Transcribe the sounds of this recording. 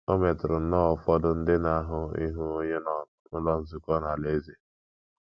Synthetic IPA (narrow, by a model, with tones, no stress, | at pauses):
o˦me˨tɾʊ˨n̩˦nɔ˦ɔ˨fɔ˦dʊ˦n̩˦dɪ˦na˨a˦ɦʊ˦ḭ˦ɦu˦ɲe˦nɔ˨ | ʊ˦lɔ˦n̩˦zi˦kɔ˦na˨le˦ze˨